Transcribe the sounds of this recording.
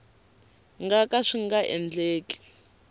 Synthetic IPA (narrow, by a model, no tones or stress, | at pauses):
ŋɡakaʂiŋɡaʔɛ̰nd͡ɮeːki̥